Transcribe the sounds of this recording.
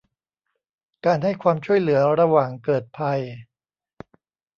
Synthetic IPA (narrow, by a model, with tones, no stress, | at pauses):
kaː˧nha˥˩jkʰwaː˧mt͡ɕʰu˥˩əjlɯ˩˦ɐɾa˧waː˨˩ŋkɤː˨˩t̪̚pʰa˧j